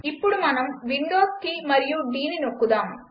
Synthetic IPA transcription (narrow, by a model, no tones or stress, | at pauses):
ɪpːɔɽɯmɐnɐmʋɪɳɖoːskimɐɾɪjuːɖiːninokːɯðaːm